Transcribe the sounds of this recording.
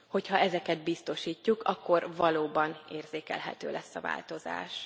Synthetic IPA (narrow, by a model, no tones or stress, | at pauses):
ho̞chɒɛzɛkɛd̪̚bist̪o̞ʃiːcːukɒkːo̞rvɒloːbɒneːrzeːkɛ̰lɦɛ̰t̪ø̰ːlɛsːɒva̰ːlt̪o̞za̰ːʃ